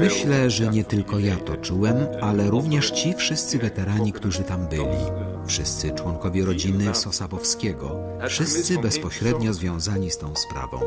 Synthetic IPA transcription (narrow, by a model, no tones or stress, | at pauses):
mɘɕlɛʐɛɲɛt̪ɘlkɔjat̪ɔt͡ʂuwɛmalɛɾuvɲɛʂt͡ɕifʂɘst̪sɘvɛt̪ɛɾaɲikt̪uʐɘt̪ambɘlʲḭ | fʂɘst̪sɘt͡ʂwɔŋkɔvʲjɛɾɔd͡ʑinɘsɔsabɔfskʲɛɡɔ̰ | fʂɘst̪sɘbɛspɔɕɾɛd̪ɲɔzvʲjɔ̃w̃zaɲist̪ɔ̃w̃spɾa̰vɔ̰̃w̃